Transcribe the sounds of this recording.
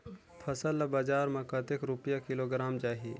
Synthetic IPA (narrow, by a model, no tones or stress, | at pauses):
pʰɐsəlːabad͡ʒaːɾmɐ̃kɐt̪ekɾupjakɪloɡɾaːmt͡ʃaːɦie